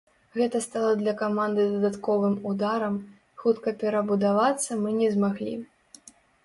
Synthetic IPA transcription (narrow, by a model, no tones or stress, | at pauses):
ɣɛt̪ɐst̪alˠɐd̪lʲɐkamand̪ɨd̪ɐd̪at̪kɔvɨmud̪aɾɐm | xut̪kɐpʲɛɾɐbud̪avat̪sːɐmɨnʲɛzmaɣlʲḭ